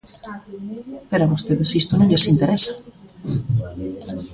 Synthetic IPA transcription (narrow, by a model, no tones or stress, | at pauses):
peɾamust̪eðesist̪onõŋʎesint̪eɾɛsḁ